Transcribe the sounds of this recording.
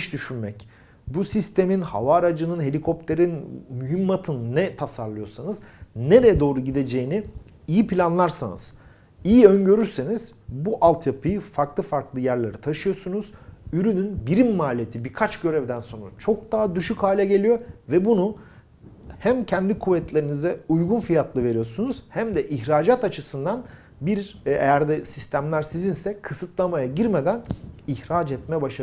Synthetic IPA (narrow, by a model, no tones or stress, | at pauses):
ʃd̪yʃynmɛc | busist̪ʰe̞minha̰vaːɾad͡ʒɯnɯnɦe̞lʲikʰo̞pt̪ʰe̞ɾinmyɦimːat̪ʰɯnnɛt̪ʰasaɾlˠɯjo̞sanɯzneɾɛjɛd̪o̞ːɾuɟid̪e̞d͡ʒe̞jini | ijipʰilʲanlˠaɾsa̰nɯ̰z̥ | ijiønɟø̞ɾyɾse̞niz̥buʔalˠt̪ʰjapʰɯjɯfaɾklˠɯfaɾklˠɯjæɾlʲeɾit̪ʰaʃɯjo̞sunuz̥yɾynynbiɾimːaːlʲijet̪ʰibiɾkʰat͡ʃɟø̞ɾɛvd̪ænso̞nɾat͡ʃʰo̞k̚d̪aɦad̪yʃychaːlʲɛɟe̞lʲijo̞vɛbunu | hæmcʰɛnd̪ikʰuvɛt̪lʲeɾinizɛujɡunfijat̪ʰlˠɯve̞ɾijo̞sunuz̥hæmd̪ɛʔiçɾaːd͡ʒat̪at͡ʃʰɯsɯnd̪an | biɾejæɾd̪ɛsist̪ʰæmlʲæɾsizinsɛkʰɯsɯt̪lˠamajaɟiɾmed̪æniçɾaːd͡ʒɛt̪̚mɛɛbaʃ